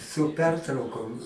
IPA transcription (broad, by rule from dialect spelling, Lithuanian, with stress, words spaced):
sʊ ˈpʲɛrtrɐʊkoːm